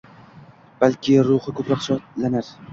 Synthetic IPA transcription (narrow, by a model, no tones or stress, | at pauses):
b̥alkʲʰɪɾʊhɨkʰɵpɾɒqʃʰɒt̪lanaɾ